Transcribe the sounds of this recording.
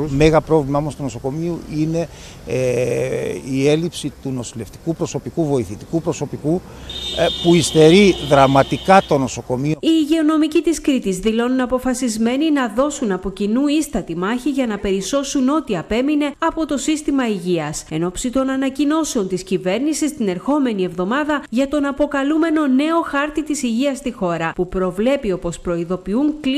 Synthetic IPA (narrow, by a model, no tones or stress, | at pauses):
me̞ɣɐpɾo̞vlimɐomost̪unoso̞ko̞miuine̞ | ie̞lipsit̪uno̞sile̞ft̪i̥kupɾo̞so̞pikuvo̞iθit̪i̥kupɾo̞so̞piku | puist̪e̞ɾiðɾɐmɐt̪ikɐt̪o̞no̞so̞ko̞miiːʝe̞o̞no̞micit̪iskɾit̪izðilo̞nunɐpo̞fɐsizme̞ninɐðo̞sunɐpo̞cinuist̪ɐt̪imɐçiʝɐnɐpe̞ɾiso̞suno̞t̪iɐpe̞mine̞ɐpo̞t̪o̞sist̪imɐiʝiɐse̞no̞psit̪o̞nɐnɐcino̞seo̞nt̪iscive̞ɾnisist̪ineɾxo̞me̞nievðo̞mɐðɐʝɐt̪o̞nɐpo̞kɐlume̞no̞ne̞o̞xɐɾt̪it̪isiʝiɐst̪ixo̞ɾɐpupɾo̞vle̞pio̞po̞spɾo̞iðo̞piuŋk